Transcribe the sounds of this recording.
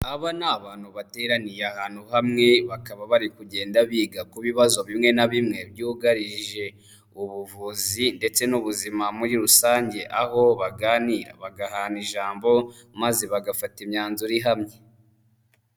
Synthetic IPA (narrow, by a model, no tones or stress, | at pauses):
aβanaːβaːn̥huβate̞ɾanijeahaːn̥huɦamŋe̞βakaβaβaɾikuɟe̞ːndaβiːɡakuβiβazo̞βimŋe̞naβimŋe̞bɟuːɡaɾiʒe̞ | uβuvuzinde̞t͡se̞nuβuzimamuɾiɾusaːɲɟe̞ʔaho̞βaɡaːniɾa̰βaɡaɦaːniʒaːmbo̞ | mazeβaɡafatimɲaːnzuɾiɦamɲe̞